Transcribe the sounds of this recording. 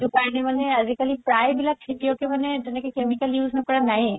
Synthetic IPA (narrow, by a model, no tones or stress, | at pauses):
d͡ʒokaɹnemaneazikalipɾajbilaʈʰeʈijokemaned͡ʒenekekemikaljuznɔkɔɹanaɦĩ